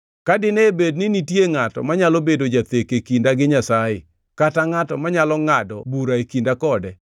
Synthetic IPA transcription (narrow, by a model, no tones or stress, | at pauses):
kadɪnebednɪnitjeŋatɔ̰maɲalobedod͡ʒat̪ekekindaɡɪɲasajɪ | kataŋatɔmaɲalɔŋadɔbuɾaekindakɔdɛ